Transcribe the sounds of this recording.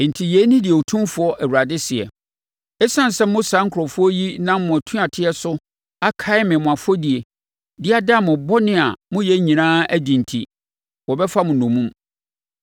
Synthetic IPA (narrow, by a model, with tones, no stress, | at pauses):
n̩˨tʰi˨jɛː˨˦nʊ̃˦dɪ˨o˨tʰũ˦mfʊ˦ɔ˦ʔæ˨wu˨ɾa˨dɪ˦sɪ˨ɛ̰˨ | ɛ˦sã˦n˨sɛ˦mʊ̃˦sã˨˦ŋ̩˦kʰʊ˨ɾɔ˨fʊ˦ɔ˦ji˦nã˦m˦mʊ̃˨æ˨tʰũ˦a˨tʰɪ˦ɛ˦sʊ˦ | a˦kʰa˦ɪ˦mɪ̃˨mʊ̃˨a˨fɔ˦di˨e˨ | dɪ˦a˦da˦mʊ̃˨bɔ˦nɪ̃˦a˨mʊ̃˦jɛ˦ɲĩ˨nãː˦æ˦dĩ˨n̩˨tʰḭ˨ | wɔ˨bɛ˦fa˦mʊ̃˨nʊ̃˨mũ˦m